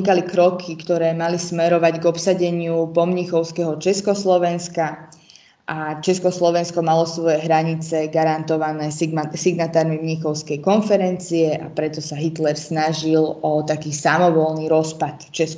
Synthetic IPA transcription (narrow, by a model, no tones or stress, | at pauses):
ikalikɾɔkʰikt̪ɔɾɛːmalismɛɾɔʋaɟɡɔpsaɟɛɲɪupɔmɲixɔʊskɛɦɔt͡ʃɛskɔslɔʋɛnska | ʔat͡ʃɛskɔslɔʋɛnskɔmalɔsʋɔjɛɦɾaɲit͡sɛɡaɾant̪ɔʋanɛːsiɡnat̪aːɾmimɲixɔʊskɛjkɔnfɛɾɛnt͡siɛʔapɾɛt̪ɔsaɦit̪lɛɾsnaʒilɔt̪akiːsamɔʋɔlniːɾɔspat̪t͡ʃɛsk